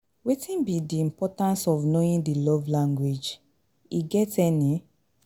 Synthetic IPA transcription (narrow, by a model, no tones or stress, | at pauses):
wetĩnbidiĩmpɔtãnsɔvnoĩndilɔvlãŋɡwed͡ʒ | iɡɛtɛni